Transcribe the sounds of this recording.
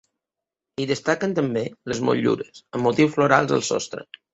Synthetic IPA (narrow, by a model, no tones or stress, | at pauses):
iðəst̪akənt̪əmbeləzmo̰ʎṵɾəsəmːut̪iwsfluɾa̰lˠzə̰lˠsɔ̰st̪ɾə̰